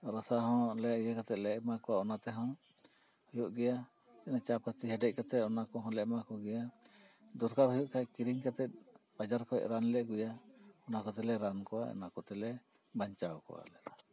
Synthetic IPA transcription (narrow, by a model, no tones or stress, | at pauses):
ɾasaɦɔ̃lɛjəkat̪ɛʔ̪̚lɛʔmakɔwaɔnat̪ɛɦɔ̃ | hɔjɔʔɡɛja | ɛnat͡ʃapat̪iɦɛɖɛc̚ˀkɔt̪ɛɔnakɔɦɔ̃lɛʔmakɔɡɛja | d̪uɾkaɾhɔjɔʔkajkiɾiŋkat̪ɛt̪̚bad͡ʒaɾkɔɛ̰ʔɾanlɛʔɡujaɔnakɔt̪ɛlɛɾankɔwa̰ɔ̰nakɔt̪ɛlɛ | baɲt͡ʃawkɔ̰wa̰lɛd̪a